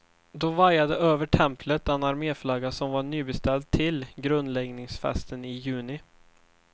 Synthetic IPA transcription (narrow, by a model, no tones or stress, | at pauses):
d̪ɔvaɾjad̪əʔøːvəʈʰɛmpʰlət̪ɛnaɾmeːflɑɡasɔmvaɳyːbɛst̪ɛlt̪ʰːɪlɡɾɵnd̪lɛɡnɪŋsfɛ̰st̪ənɪjʉ̟ːnɪ